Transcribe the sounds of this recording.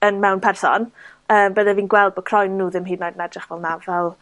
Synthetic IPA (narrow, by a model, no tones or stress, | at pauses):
ənmɛwnpʰɛrsɔ̰n | əːmbəðɛviːnɡwɛlˠd̚bɔkʰrɔjnːuːðɪmɦiːdnajdənɛdrɪχvɛlˠnavɛlˠ